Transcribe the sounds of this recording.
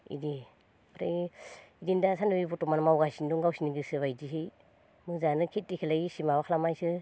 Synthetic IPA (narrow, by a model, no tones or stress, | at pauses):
ḭdi | pɾḛidindasanɯbibɔtɔmanmawɡasinduŋɡawsiniɡɯsɯβajdiɦɯj | mɯzanɯkʰit̚dikʰelajisimaβakʰlamajsɯ